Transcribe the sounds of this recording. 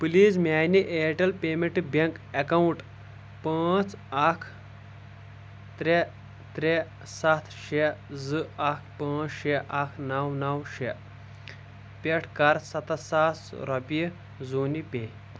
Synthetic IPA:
pɨliːzmaːniʔeːʈɐlpeːmeɳʈibeŋkekɐwuɳʈ | paːt͡sɐkʰ | t̪ɾe | t̪ɾe | sɐt̪ʰʃezɨɐkʰpãːt͡sʃeʔɐkʰnɐwnɐwʃe | pʲeʈʰkɐɾsɐt̪ɐsaːsɾɐpi | zoːnipeː

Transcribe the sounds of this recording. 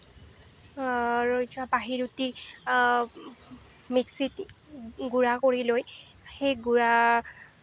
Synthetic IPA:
ɹojtabaɦiɹuti | miksit | ɡuɹakoɹiloj | xejɡuɹa

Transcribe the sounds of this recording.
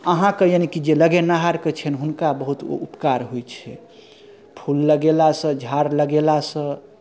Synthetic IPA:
əɦãkejanikid͡ʒeləɡenaɦaɾket͡ʃʰɛnɦunkabəɦut̪o̰upkaɾɦojt͡ʃʰɛ | pʰulːəɡelasə̃d͡ʒʱaɾləɡelasə̃

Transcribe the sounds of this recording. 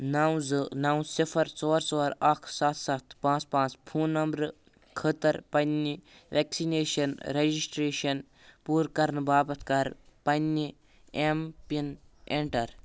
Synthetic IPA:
nɐwzɨnaw̃sifʰɐɾt͡sɔːɾt͡soːɾakʰsat̪ʰsɐt̪ʰpãːt͡spãːt͡spʰuːnːɐmbɾ | kʰət̪ɐɾpɐnːi | ʋeːksineːʃɐnɾed͡ʒisʈɾeːʃɐn | puːɾkɐɾnɨbaːbɐt̪ʰkɐɾpɐnːi | empineɳʈɐɾ

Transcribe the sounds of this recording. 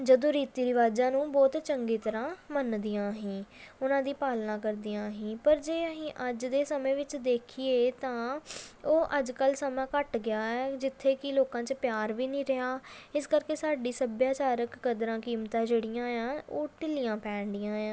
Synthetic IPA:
d͡ʒəd̪õːɾiːt̪iːɾɪʋaːd͡ʒãːnũːbɔːt̪t͡ʃəŋɡiːt̪əɾãːmənd̪ijãːɦĩːʊnãːd̪iːpaːlnãːkəɾd̪ijãːɦĩːpəɾd͡ʒeːəɦĩːʔəd͡ʒd̪eːsəmẽːʋɪt͡ʃd̪eːkʰieːt̪ãːoːʔəd͡ʒkəlsəmãːkəʈɡɪaːɛːd͡ʒɪt̪ʰːeːkɪloːkãːt͡ʃpjaːɾʋiːnĩːɾəɦaːɪskəɾkeːsaːɖiːsəbjaːt͡ʃaːɾəkːəd̪ɾãːkiːmt̪ãːd͡ʒeːɽɪjãːjãːoːʈɪlɪjãːpɛ̃ːɳɖɪjãːãː

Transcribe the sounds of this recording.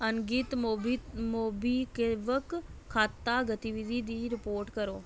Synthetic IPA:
ənɡiːt̪moːbimoːbiːkeʋəkkʰːaːt̪ːaːɡət̪iʋid̪ʱiːd̪iːɾɪpoːɾʈkəɾoː

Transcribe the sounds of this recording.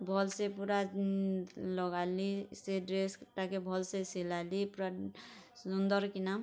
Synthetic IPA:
bʱɔlsepuɾa | lɔɡaliseɖɾeskʈakebʱɔlsesilalipuɾasund̪ɔɾkinam

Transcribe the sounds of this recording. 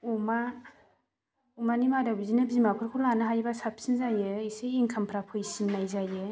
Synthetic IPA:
uma | umanimadabizinabzimapʰɯɾkʰɔlanɯɦajbasap̚sinzajɯiseiŋkʰampʰɾapʰɯjsimnajzajɯ

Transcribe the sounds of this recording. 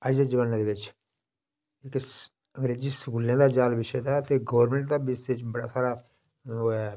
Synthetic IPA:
əd͡ʒd̪eːd͡ʒəʋaːnːãd̪eːʋɪt͡ʃ | ɪk | ə̃ŋɡɾeːd͡ʒiːsəkuːlãːd̪aːd͡ʒaːlʋɪʃeːd̪aːt̪eːɡoːəɾmɛ̃ɳʈ̚d̪aːbɪset͡ʃbəɽa̰ːsaːɾaː | oːɛː

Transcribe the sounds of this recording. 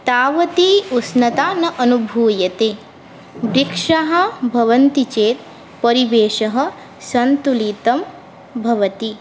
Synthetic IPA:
t̪aːʋɐt̪iusnɐt̪aːnɐʔɐnubʱuːjɐt̪eː | bɾikʂaɦɐ̆bʱɐʋɐnt̪it͡ʃeːt̪̚ | pɐɾiʋeːʃɐɦɐ̆ | sɐnt̪ulit̪ɐm | bʱɐʋɐt̪i

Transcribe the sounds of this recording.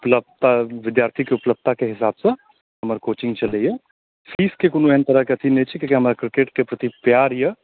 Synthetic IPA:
ʊpləb̚t̪aʋɪd̪jaːɾt̪ʰikeʊpləb̚t̪akeɦɪsaːbsɐ̃ | ɦɐməɾkoːt͡ʃɪ̃ŋɡt͡ʃɐlejɐ | fʰiːskekʊnueːnt̪ɐɾəkeɐt̪ʰinet͡ʃʰikekeɦɐmːɾakɾɪkeːʈkepɾɐt̪ipjaːɾjɐ

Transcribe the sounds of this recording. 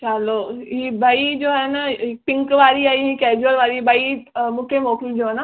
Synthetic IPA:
t͡ʃaloːɦiːbʱɐid͡ʑoːɛnəpɪ̃ŋkʋaːɾiaːiɦiːkɛːd͡ʑuəɾʋaːɾibɐimũːkʰemoːkɪld͡ʑoːɦɛnə

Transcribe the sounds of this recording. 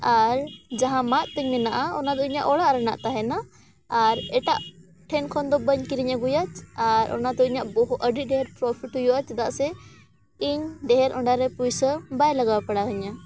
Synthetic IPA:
aɾd͡ʒaɦãmat̪̚ˀt̪əɲmɛnaʔaɔnad̪ɔiɲaʔɔɽaʔɾəna̰ʔt̪aɦɛnaː | ɾɛʈaʔ | ʈʰɛnkʰɔnd̪ɔbəɲkiɾiɲaɡujat͡ʃaɾʔɔ̰nad̪ɔiɲaʔbɔɦuəɖit̚ˀɖɛɦɛɾpɾɔpʰiʈɦɔjɔʔat͡ʃd̪aʔsɛ | iɲɖɛɦɛɾɔɳɖaɾɛpujsəbajlaɡawapaɽaɦəɲa

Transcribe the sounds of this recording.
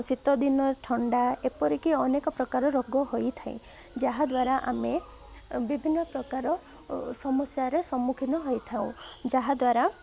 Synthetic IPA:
sit̪ɔd̪inɔʈʰɔɳɖaepɔɾikiɔnekɔpɾɔkaɾɔɾɔɡɔhojt̪ʰaḭ̃ | d͡ʒaɦad̪waɾaʔa̰me | bibʱinːɔpɾɔkaɾɔ | sɔmɔsjaɾesɔmːukʰinɔɦɔjt̪ʰaw̃d͡ʒaɦad̪waɾa

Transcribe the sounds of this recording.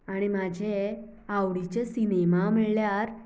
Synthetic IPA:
aɽ̃imad͡ʑʱe | awɽit͡ɕesinemaməɭljaɾ

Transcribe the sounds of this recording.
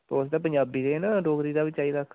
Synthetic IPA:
t̪oʊs̬d̪aːp̬əɲd͡ʒaːbiːd̪eːnãɖoːkɾiːd̪aːbɪt͡ʃːt͡ʃaːiːd̪akʰ

